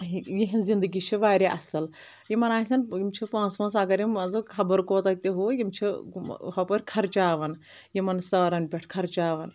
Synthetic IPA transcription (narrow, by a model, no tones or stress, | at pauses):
ijiɦinzind̪ɨɡit͡ʃʰiʋaːɾʲeʔɐ̰sɐl | jimɐnaːsʲɐnjimt͡ʃʰipãːt͡smɐnsɐɡɐɾʲiɐzɨkʰɐbəɾkoːt̪ɐk̚t̪ʲeɦoːjimt͡ʃʰihɐpɐɾʲkʰɐɾt͡ʃaːʋɐn | jimɐnsɐːɾɐnpʲeʈʰkʰɐɾt͡ʃaːʋɐn